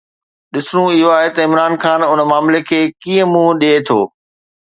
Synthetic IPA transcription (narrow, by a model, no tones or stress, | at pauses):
ɗɪsɽ̃ũɪɦoaːɦet̪ɐɪmɾaːnxaːnʊnmaːmlekʰeːkĩːə̃mũɗiet̪ʰoː